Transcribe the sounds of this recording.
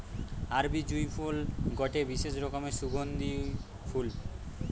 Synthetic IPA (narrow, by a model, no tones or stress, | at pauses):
aɾbid͡ʑujpʰulɡɔʈebiʃeʃɾɔkomeʃuɡʱond̪i | fʰul